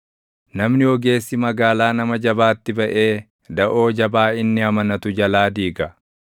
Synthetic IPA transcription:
nɐmnɪɔɡe̞ːsːɪmɐɡaːlaːnɐmɐd͡ʒɐbaːt̪ːɪbɐʔe̞ː | d̪ɐʔo̞ːd͡ʒɐbaːɪnːɪɐmɐnɐt̪ʊd͡ʒɐlaːd̪iːɡɐ

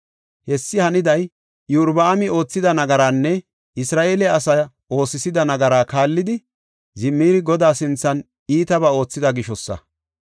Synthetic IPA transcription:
hɛsːɪhɐnɪd̪ɐj | juɾbɐːmɪo̞ːt͡sːɪd̪ɐnɐɡɐɾaːnːɛ | ʔɪsɾaːʔeːlɛɐsɐ | o̞ːsɪsɪd̪ɐnɐɡɐɾaːkaːlːɪd̪ɪ | zɪmːiːɾɪɡɔd̪aːsɪnt͡sːɐn | iːt̪ɐbɐo̞ːt͡sːɪd̪ɐɡɪʃɔsːɐ̰

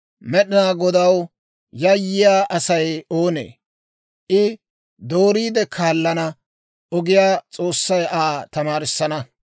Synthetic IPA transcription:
mɛɗɪnaːɡɔd̪ɐw | jɐjːɪjaːʔɐsɐjoːnḛː | ʔɪ | d̪o̞ːɾiːd̪ɛkʰaːlːɐnɐ | ʔɔɡɪjaːt͡sʼo̞ːsːɐjaːt̪ɐmaːɾɪsːɐnɐ

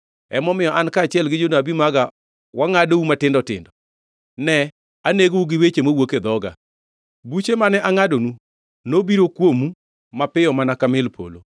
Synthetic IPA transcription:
ɛ̰mɔmɪjɔʔankaːt͡ʃɪɛlɡɪd͡ʒonabimaɡa | waŋadoumatɪndɔtɪ̰ndɔ | nɛ | aneɡouɡɪwet͡ʃemowoked̪ɔɡa̰ | but͡ʃemanɛʔaŋadonu | nobiɾokwomu | mapɪjɔmanakamɪlpʰo̰lo̰

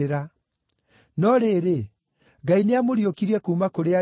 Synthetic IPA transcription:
ɾa | nɔɾeɾe | ɡaineamoɾiokiɾiɛkuːmakoɾea

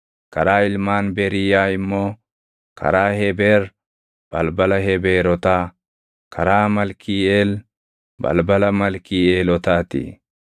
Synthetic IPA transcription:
kɐɾaːɪlmaːnbeɾɪjaːɪmːoː | kɐ̰ɾaːhɛbeːɾ | b̥ɐlbɐlɐɦɛbeːɾɔt̪aː | kʰɐɾaːmɐlkiːeːl | bɐ̰lbɐlɐmɐlkiːeːlɔt̪aːt̪ḭː

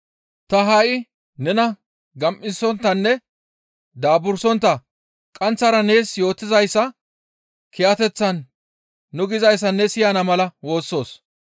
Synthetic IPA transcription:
t̪ɐɦaʔɪ | nɛnɐ | ɡɐmʔɪsɔnt̪ːɐnːɛ | d̪aːbʊɾsɔnt̪ːɐ | kʼɐnt͡sːɐɾɐne̞ːsjo̞ːt̪ːɪzɐjsːɐ | kɪjɐt̪ɛt͡sːɐnː | ʊɡɪzɐjs̬ːɐnːɛsɪjanɐmɐlɐwo̞ːsːo̞ːs

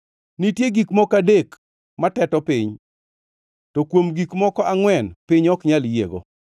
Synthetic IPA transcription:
nitjeɡikmɔkadek | matɛtɔpɪɲ | tɔkwomɡikmɔkɔaŋwɛnpɪɲɔkɲaljḛɡo̰

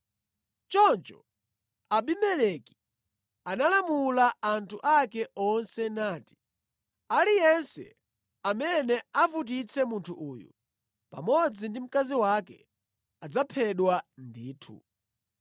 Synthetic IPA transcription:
t͡ʃɔnt͡ʃɔ | aɓimɛleki̥ | analamulaantʰuʔakɛɔnsɛnaːti̥ | alijɛnsɛ̰ | amɛnɛavut̬it͡sʰɛmuntʰuʔuːjṵ | pa̰mɔd͡zindim̩kaziwakɛ̰ | ad͡zapʰɛɗwandiːtʰṵ

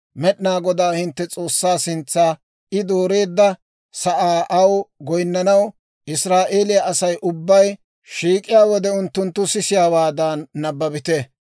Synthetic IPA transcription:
mɛɗɪnaːɡɔd̪aːhɪnt̪ːɛt͡sʼo̞ːsːaːsɪnt͡sːaː | ɪd̪o̞ːɾe̞ːd̪ːɐ | sɐʔaːʔɐwɡɔjnːɐnɐw | ʔɪsɾaːʔe̞ːlɪjɐʔɐsɐjʔʊbːɐj | ʃiːkʼɪjaːwɔd̪ɛʊnt̪ːʊnt̪ːʊsɪsɪjaːwaːd̪anːɐbːɐbɪt̪ɛ

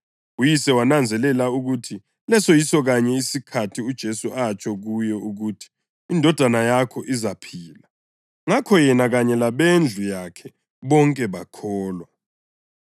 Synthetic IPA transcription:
ujisɛwanand͡zʱɛlɛlauɣutʰi | lɛsɔjisɔɣaɲɛisikʰatʰiud̥ʒ̥ʱesuʔat͡ʃʰʼɔɣujɔuɣutʰi̥ː | ndʱɔd̥ʱanajakʰɔʔizapʰiːla | ŋakʰɔjɛnaɣaɲɛlaβend͡ɮʱujakʰɛ | βɔŋkʼɛβakʰɔːla

